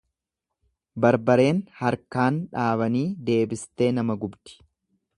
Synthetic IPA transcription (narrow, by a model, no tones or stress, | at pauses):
bɐɾbɐɾe̞ːnhɐɾkaːnᶑaːβɐniːd̪e̞ːbɪst̪e̞ːnɐmɐɡʊbd̪ɪ̥